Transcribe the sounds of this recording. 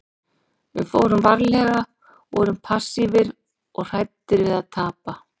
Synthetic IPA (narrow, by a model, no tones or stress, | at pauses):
vɪ̰foːwɾʏmvaɾlɛɣa | vɔɾʏmpʰasːivɪɾ | ɔɣr̥aj̚t̪ɪɾvɪðaðt̪ʰaːpa